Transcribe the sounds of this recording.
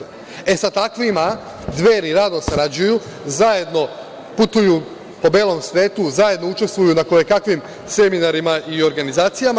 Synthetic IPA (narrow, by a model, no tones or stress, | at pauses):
e̞sat̪akʋima | d̪ʋe̞ːɾiɾad̪osaɾad͡ʑuju | zaje̞d̪no̞ | put̪uju | po̞beːlˠo̞msʋe̞ːt̪uzaje̞d̪no̞ut͡ʃe̞st̪ʋujunakojekakʋim | se̞minaɾimaʔio̞ɾɡanizaːt̪sijama